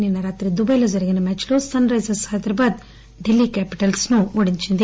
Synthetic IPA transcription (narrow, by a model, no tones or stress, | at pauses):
ninːɐɾaːt̪ɾid̪ubɐjlɐd͡ʒɐɾiɡɐnɐmɛːt͡ʃloːsɐnɾɐjsɐshɐd̪ɐɾɐbaːd̪ | ɖilːikɛːpi̥ʈɐlsnuoɽiɲt͡ʃind̪